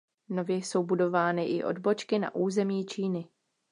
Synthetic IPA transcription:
no̞vjɛjso̞wbudo̞vaːnɪʔɪ̰ʔo̰dbo̞t͡ʃkɪna̰ʔuːzɛmiːt͡ʃiːnɪ

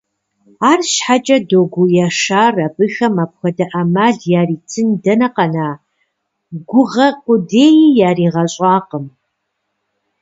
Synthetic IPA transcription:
aːrʃħat͡ʃʼɐdoːɡʷujaːʂaːrɐbɨxɐmap̚xʷɐdɐʔɐmaːɮjaːriːtʰɨndɐnɐqɐnaː | ɡʷʊʁɐqʷʼʊdeːjijaːriːʁɐɕʼɑːqəm

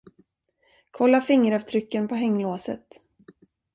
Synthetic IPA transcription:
kʰɔlːafɪŋːəɾɑvt̪ʰɾʏkːənpʰɔɦɛŋːloːsə̰t̪

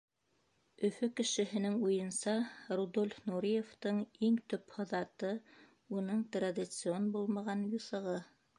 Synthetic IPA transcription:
ɵ̆fɵkɘ̆ʃɘ̆ɦɘ̆nɘŋujɤ̆nsɑrud̪olʲfnuɾʲijeft̪ɤɴiŋt̪ɵphŏðɑt̪ɤ | unɤɴt̪rad̪ʲit̪sɨonbulˠmɑʁɑnjuθɤ̆ʁɤ

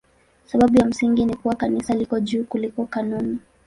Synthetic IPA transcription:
saɓaɓujam̩siŋɡinikuwakanisalikɔʄuːkulikɔkanuni

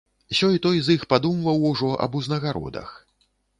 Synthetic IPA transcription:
sʲɔjt̪ɔjzixpad̪umvɐwuʐɔʔɐ̰buznɐɣaɾɔ̰d̪ɐ̰x

